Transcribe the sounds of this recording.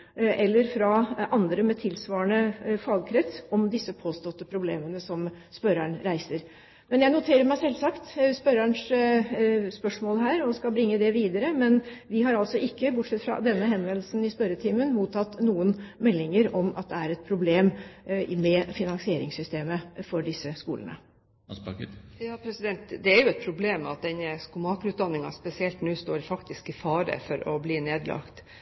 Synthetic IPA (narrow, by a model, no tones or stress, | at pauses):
ʔɛlːəɾfɾɑʔɑnd̪ɾəmɛt̪ʰɪlsʋɑːəɳəfɑɡkʰɾɛt̪sɔmd̪ɪsːəpʰoːst̪ɔt̪ːəpʰɾʊbleːmənəsɔm | spœɾæɳɾæɪsəɾ | mɛnjæɪnʊt̪ʰeːɾəɾmæɪsɛlːsɑkt̪spœɾæɳʂ | spœʂmoːlɦæːɾɔskɑbɾɪŋːəd̪ɛʋiːd̪əɾəmɛn | ʋɪɦɑɾɑlsɔʔɪkːəbʊʈʂɛt̪ːfɾɑ̰d̪ɛnːəɦɛnʋɛnlsn̩ɪspœɾət̪ʰiːmənmuːt̪ʰɑt̪ːnuːənmɛlːɪŋəɾɔmɑ̰t̪̚d̪ɛæɾɛt̪̚pʰɾʊbleːmmɛfɪnɑnsɪeːɾɪŋsʏst̪eːməfɔɖɪsːəskṵːlə̰nə̰ | jɑːpʰɾɛsɪd̪ɛnt̪d̪ɛæɾjʊɛt̪̚pʰɾʊbleːmɑt̪̚d̪ɛnəskʊmɑːkʉːt̪̚d̪ɑnːɪŋɑ̰spɛsɪɛlt̪nʉːst̪oːɾfɑkt̪ɪskɪfɑːɾə̰fɔɾɔbliːneːd̪lɑ̰kt̪